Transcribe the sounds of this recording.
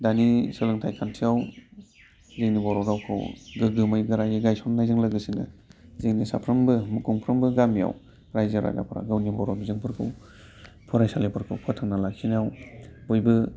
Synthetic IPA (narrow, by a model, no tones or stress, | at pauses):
danisɯlɯŋtʰajkʰantʰiaw | zeŋnibɔɾɔdawkʰɯ̰wɡɯɡɯmɯjɡɯɾajɯɡajsɔnːajzɯŋlaɡɯsinɯ̰zeŋnisa̰pʰɾɯmbɯmɯkʰuŋpʰɾɯmbɯɡamija̰w | ɾajzaɾa̰ɡa̰pʰɾa̰ɡɯwnibɔɾɔbizɯŋpʰɯɾkʰɯw | pʰɔɾajsalepʰɯɾkʰɯwpʰɯtʰanalakʰinijawbɔjbɯ